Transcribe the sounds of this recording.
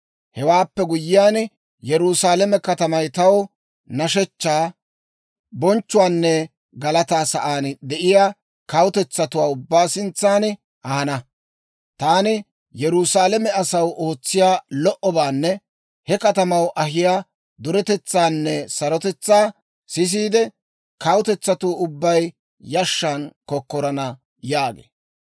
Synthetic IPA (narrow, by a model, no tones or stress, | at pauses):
hɛwaːpːɛɡʊjːɪjaːn | jɛɾusaːlɛmɛkɐt̪ɐmɐjt̪ɐw | nɐʃɛt͡ʃːaː | bɔnt͡ʃːʊwaːnːɛ | ɡɐlɐt̪aːsɐʔaːnd̪ɛʔɪjaː | kɐwʊt̪ɛt͡sːɐt̪ʊwaːʊbːaːsɪnt͡sːaːn | ʔɐhɐnɐ | t̪aːnɪ | jɛɾʊsaːlɛmɛɐsɐwʔo̞ːt͡sːɪjaːlɔʔɔbaːnːɛ | hɛkɐt̪ɐmɐwʔɐɦɪjaː | d̪ʊɾɛt̪ɛt͡sːaːnːɛsɐɾɔt̪ɛt͡sːaː | sɪs̬iːd̪ɛ | kɐwʊt̪ɛt͡sːɐt̪uːʊbːɐj | jɐʃːaːnkɔkːɔɾɐnɐ | jaːɡḛː